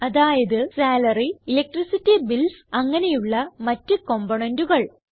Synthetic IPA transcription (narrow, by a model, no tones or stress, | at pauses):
ɐðaːjɐðɨsaːlɐriilek̚ʈrisitːibilsɐŋːɐne̞juɭːɐmɐtːɨko̞mboɳenduɣɐɭ